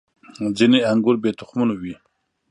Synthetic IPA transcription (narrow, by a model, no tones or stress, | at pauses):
ɦd͡ʑəniaŋɡorbet̪ʰoχmonwi